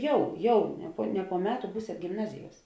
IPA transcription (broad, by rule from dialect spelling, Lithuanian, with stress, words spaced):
ˈjɛʊ ˈjɛʊ nʲɛ poː nʲɛ poː ˈmʲæːˌtʊ ˈbuːsʲeːt ɡʲɪmˈnɑːzʲɪˌjuɔs